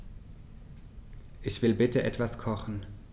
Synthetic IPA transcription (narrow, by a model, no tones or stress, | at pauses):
ʔɪçv̥ɪlbɪtəʔɛtv̥askʰɔχn̩